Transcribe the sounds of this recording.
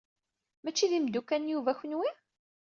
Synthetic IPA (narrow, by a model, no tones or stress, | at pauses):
mæt͡ʃːiðimd̪ukːænjuvæçənwi